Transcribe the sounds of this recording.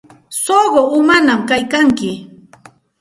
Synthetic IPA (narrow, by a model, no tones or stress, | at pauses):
soɢoʊmanamkajkaŋkɪ